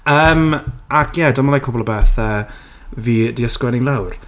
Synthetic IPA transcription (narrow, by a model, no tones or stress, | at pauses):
əːmakʰjɛdəməlajkʰʊbɔlˠəbeːθəː | vidiəskwɛnɪŋlˠawr